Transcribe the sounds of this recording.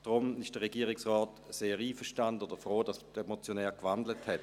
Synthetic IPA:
d̥ʁʊmɪʃd̥əʁeɡiːʁɪksʁɔːt | seːʁiːfəʃtandənoːdəfʁoːd̥ɑsd̥emot͡sjonɛːɐkv̥andləthɛt

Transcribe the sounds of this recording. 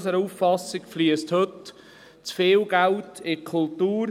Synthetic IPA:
səɾuːffɑsɪɡfliəsthøt | t͡sfɪːlɡ̥æltʰɪkʰʊltuːɾ

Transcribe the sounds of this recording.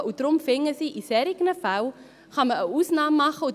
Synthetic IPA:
ʔutromfeŋəsiʔisɛɾiknəfɐw | χɐməəusnɑːmɐχo

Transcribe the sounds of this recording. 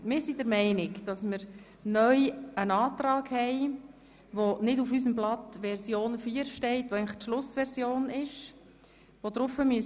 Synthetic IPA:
mɪːɾsidəɾmɛɪnɪkd̥ɑsmɪɾ | nœʏənɑːtɾɑːɡhɛɪ | ʋonɪdufys̬əmblɑt̪ʋɛɾsjoːnfyːɾʃtɛɪtʋoɛɪŋləχtʃlʊsʋɛɾzjoːnɪʃ | ʋod̥̪ɾʊfəmyəs

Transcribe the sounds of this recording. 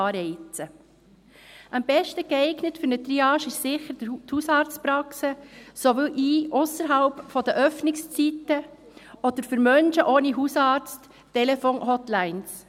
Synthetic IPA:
ɑɾɛɪt͡sə | ʔambɛʃtəɡ̥ɛɪɡnətfʏɾnət̪ɾiɑːʃɪʃsɪχəɾdəthusɑːɾt͡stpɾɑksəsoʋɪlʔiːʔʊsəɾɦɑlpfɔd̪əʔœfnɪkst͡sitə | ʔɔd̪̥əɾfʏɾmœnʃəʔoːniɦusɑːɾt͡stː | ɛlɛfoːnhɔtlæɪns

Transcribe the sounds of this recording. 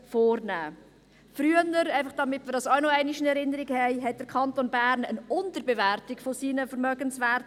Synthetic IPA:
fɔːɾnæː | fɾyːənəɾæɪfɑχd̥ɑmɪtmɪəɾdɑsaʊnoɛɪnɪʃənɛɾɪnəɾiɡhɛɪɦɛt̚d̥əɾkʰɑntonbæːɾnənʊntəɾbevæɾtɪkfosiːnəfəɾmœɡənsʋæːɾt

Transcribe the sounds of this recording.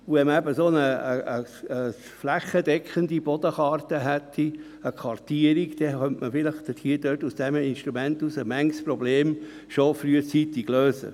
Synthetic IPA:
uvɛməæbəsoːnəəəə | flæχəd̪ɛkχəndib̥ɔd̪əχɑːrt̪əɦɛt̪ʰːi | əkʰʋɑɾtiəɾiɡd̥ɛχœntməfɪləχt̪əthiːəd̥øtusd̥ɛminʃt̪ɾumɛntusəmɛŋsprɔbleːm | ʃofɾyət͡siːt̪iɡløːsə̰

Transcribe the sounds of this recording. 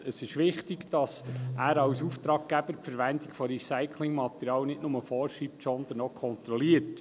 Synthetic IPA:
əsɪʃʋɪχtɪɡd̥ɑsʔæːɾɑwsuːft̪ɾɑːk̚ɡæb̥əɾpfəɾʋænd̪ikfɔɾisaɪkʰlɪŋmɑt̪əɾjɑːwnɪtnʊməfɔːɾʃiːp̚tsɔnd̪ənɔkʰɔnt̪ɾɔliət

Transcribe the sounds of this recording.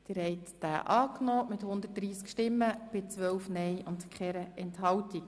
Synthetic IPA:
d̪̥ɪɾhɛɪt̪ːæ̰ːʔɑːknɔːmɪthʊnd̪ət̚d̥ɾiːskʃtɪmːəb̥ɪt͡sʋœwfnɛjʔʊntkχɛɾəɛnthɑwtik

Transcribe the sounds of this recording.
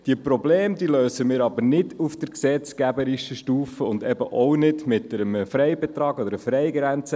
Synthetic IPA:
d̥iəpɾɔbleːmd̪iːløːsəmɪːɾɑbənɪdufd̥əɾksɛt͡skæbəɾiʃəʃtuːfəʊnd̪ɛbəʔɔwnɪdmɪt̪əɾəməfɾɛɪbɛt̪ɾɑːɡɔd̪əɾəfɾɛɪɡɾɛnt͡sə

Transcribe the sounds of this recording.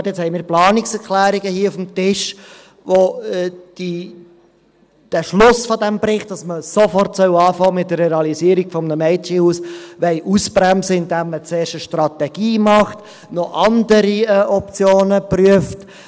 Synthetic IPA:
tjɛt͡shɛɪmɪːɾplɑːnɪksɛɾkʰlæːɾiɡəhiːufm̩tɪʃ | ʋod̥i | d̥æʃlʊsfɔdɛmbɾɪχt̚d̥ɑsməsofɔrtsœwɑːfɑːmɪt̚dəɾɛɑlisiːəɾiɡ̥fɔmnəmɛɪt͡ʃihuːsʋɛɪʔuspɾæmsəɪndæmːət͡seːɾʃəʃtrɑtɛɡ̥iːmɑχt | nɔʔɑnd̪əɾiɛʔɔpt͡sjoːnəpryəft

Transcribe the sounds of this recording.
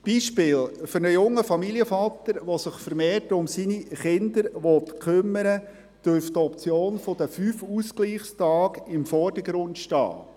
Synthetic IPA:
b̥iːʃpɪːlfʏɾnəjʊŋːəfɑmiliəfɑt̪əɾʋɔsɪχfəɾmeːrtʊmsiːniχɪnd̪əɾʋɔtkʰʏmːəɾə | d̥øɾftɔpt͡sjoːnfɔd̥əfyːfuskliːχstɑːɡɪmfɔrd̥əɡɾʊndʃtɑ̰ː

